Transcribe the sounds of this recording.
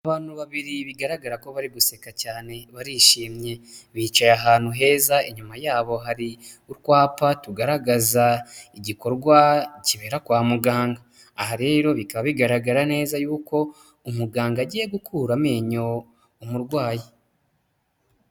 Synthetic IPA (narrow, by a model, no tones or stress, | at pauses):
aβaːn̥huβaβiɾiβiɡaɾaɡaɾako̞βaɾiɡuse̞kacaːne̞βaɾiʃiːmɲe̞βiːt͡ʃajaɦaːn̥huɦe̞ːzaiɲumajaːβo̞ɦaɾi | uɾkwaːpatuɡaɾaɡazaiɟiko̞ɾɡwaciβe̞ːɾakwaːmuɡaːŋɡaː | haɾe̞ːɾo̞βikaβaβiɡaɾaɡaɾane̞ːzajuːko̞ | umuɡaːŋɡaɟiːje̞ɡukʰuːɾame̞ːɲo̞ | umuɾɡwaːji